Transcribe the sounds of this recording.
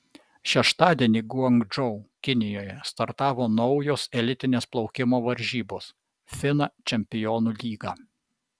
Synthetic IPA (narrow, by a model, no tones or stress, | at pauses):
ʃʲɛʃt̪ɑːd̪ʲiɛnʲiːɡuɔŋɡd͡ʒɔʊkʲɪnʲɪjoːjɛst̪ɐɾt̪ɑːʋoːnɒʊjoːsɛlʲɪt̪ʲɪnʲeːsplˠɒʊkʲɪmoːʋɐɾʲʒʲiːboːs | fʲɪnɑt͡ʃʲɛmʲpʲɪjɔːnuːlʲiːɡɑː